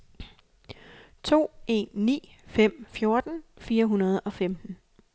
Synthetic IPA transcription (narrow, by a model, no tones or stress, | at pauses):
t͡sʰo̝̰ːe̝̰ːnːḭːfem̰fjo̝ɐd̥n̩fiːɐɦunɐð̞̩ˠɒ̽femd̥n̩